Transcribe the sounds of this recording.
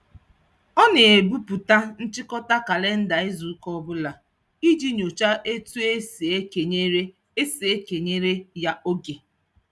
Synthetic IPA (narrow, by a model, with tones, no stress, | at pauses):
ɔ˦ne˨e˨bu˦pu˨ta˦n̩˦t͡ʃɪ˦kɔ˦ta˦ka˨le˦n̩˦da˨ɪ˦zu˨˦kɔ˦bʊ˦la˨ | i˦d͡ʒi˦ɲo˨t͡ʃa˦ʔe˦tu˦e˦se˨e˦ke˨ɲe˦ɾe˦ | e˦se˨e˦ke˨ɲe˦ɾe˦ja˦ʔo˦ɡe˨